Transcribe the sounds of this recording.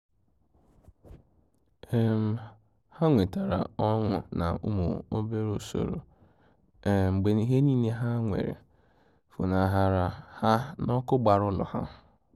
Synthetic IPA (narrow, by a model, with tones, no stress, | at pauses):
e˦m̩˨ | ha˦ŋʷe˨ta˨ɾa̰˨ɔ˦ŋʷʊ̰˨na̰˨ṵ˦mṵ˨o˦be˦ɾo˨so̰˨ɾo̰˨ | e˨m̩˨ɡ͡be˨ni˨ɦe˦ni˦ne˦ɦa˦ŋʷḛ˨ɾḛ˨ | fu˨na˨ɦa˦ɾa˨ha˦nɔ˦kʊ˦ɡ͡ba˨ɾʊ˦lɔ̰˨ha̰˦